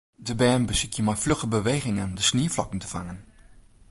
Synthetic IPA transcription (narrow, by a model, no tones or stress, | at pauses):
dəbɛɹnbəsɪkjəmaːjfløχəbəʋejχɪŋəndəsniːɹflɑkən̩tə̥v̥a̰ŋən